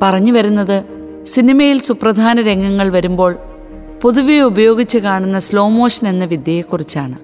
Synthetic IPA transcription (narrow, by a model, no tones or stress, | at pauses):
pɐrɐɲːuʋɐɾunːɐðɨ | sinimɐjilsuprɐd̪ʱaːnɐɾe̞ŋɡɐŋːɐɭʋɐɾumbo̞ːɭ | puðuʋeubɐjo̞ːɡit͡ɕːɨkaːɳunːɐslo̞ːmo̞ːʂɐne̞nːɐʋid̪jɐjekːurit͡ɕːaːɳɨ